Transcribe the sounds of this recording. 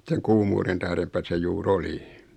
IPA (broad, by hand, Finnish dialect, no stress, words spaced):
seŋ kuːmuːren tæhrempæ se juːr oli